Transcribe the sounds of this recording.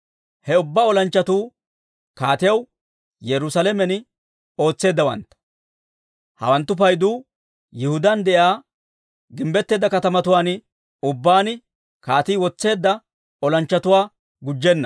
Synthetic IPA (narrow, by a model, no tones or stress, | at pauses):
hɛʊbːaːɔlɐnt͡ʃːɐt̪uː | kaːt̪ɪjɐw | jɛɾʊsalɛmɛnɪ | o̞ːt͡sːe̞ːd̪ːɐwɐ̰nt̪ːɐ̥ | hɐ̰wɐnt̪ːʊp̬ɐjd̪uː | jɪhʊd̪ɐnd̪ɛʔaː | ɡɪmbɛt̪ːe̞ːd̪ːɐkɐt̪ɐmɐt̪ʊwaːn | ʊbːaːnɪ | kaːt̪iːwɔt͡sːe̞ːd̪ːɐ | ɔlɐnt͡ʃːɐt̪ʊwaː | ɡʊd͡ʒːɛnːɐ̥